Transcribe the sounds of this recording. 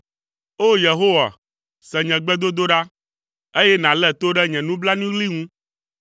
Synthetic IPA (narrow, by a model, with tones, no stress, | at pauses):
o˦je˨ɦo˦wa̰˨ | sɛ˨ɲɛ̃˨ɡ͡bɛ˦d̪o˦d̪o˦ɖa˦ | e˦jɛ˦nã˨lɛ˦˨t̪o˦ɖɛ˦ɲɛ̃˨nũ˦bla˦nũ˦li˦ŋũ˦